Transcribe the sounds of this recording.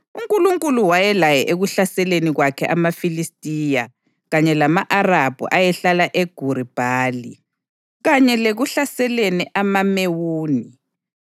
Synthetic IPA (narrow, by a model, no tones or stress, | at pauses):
uŋkʼuluŋkʼuluwajɛlajɛʔeɣuɬasɛleniɣwakʰɛʔamafilistʼiːja | ɣaɲɛlamaʔarab̥ʱṵʔajɛɬalaʔeɡ̥ʱuɾib̥ʱaːli | ɣaɲɛleɣuɬasɛleniʔamamewuːni